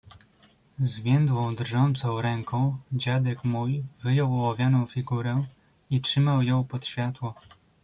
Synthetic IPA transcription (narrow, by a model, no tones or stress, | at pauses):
zvʲjɛnd̪wɔ̃w̃d̪rʐɔnt̪sɔ̃w̃ɾɛŋkɔ̃w̃d͡ʑad̪ɛkmujvɘjɔwɔwavʲjanɔ̃w̃fʲiɡuɾɛ | itʂɘmawjɔ̃w̃pɔt̪ɕfʲjat̪wɔ